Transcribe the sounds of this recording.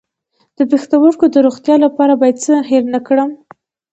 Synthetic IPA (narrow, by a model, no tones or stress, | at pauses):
d̪̥əpext̪awəɾkod̪əɾoɣt̪jɑlapɑɾabɑjad̪̚t͡səheɾnəkɽəm